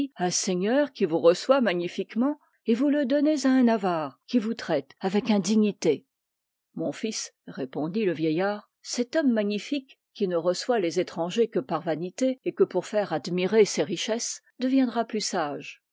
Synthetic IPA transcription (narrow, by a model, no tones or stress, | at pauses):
ɛ̃seɲœʁkʲivuʁəswamaɲifikmɑ̃ | evuləd̪ɔnezaɛ̃navaːʁkʲivut̪χɛt̪avɛkɛ̃d̪iɲit̪e | mɔ̃fisʁepɔ̃d̪iləvjɛjaːʁ | sɛt̪ɔmːaɲifikː | inəʁəswalezet̪χɑ̃ʒekəpaʁvanit̪eekəpuʁfɛʁad̪miʁeseʁiʃɛs | d̪əvjɛ̃d̪ʁaplysaʒ